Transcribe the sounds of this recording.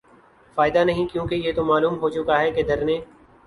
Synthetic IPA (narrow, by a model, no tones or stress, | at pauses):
faːɪd̪anɐɦĩkjõːkejet̪omaːluːmɦot͡ʃʊkaɦɛked̪ʱɐɾnẽː